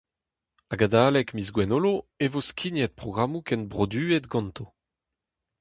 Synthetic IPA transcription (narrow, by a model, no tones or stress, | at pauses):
aɡad̪aːlɛkmizɡwɛnoloevoskʰʲinjɛt̪̚pχɔɡʁamukɛnbʁod̪yːet̪ɡɑ̃nt̪ʰo